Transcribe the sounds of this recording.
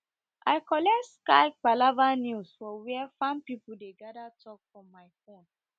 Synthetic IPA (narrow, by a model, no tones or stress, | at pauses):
ʔaɪkɔlɛtskaɪk͡palavanjusfɔwiɛfãnpipudeɡadatʰɔkfɔ̃mːaɪfɔ̃m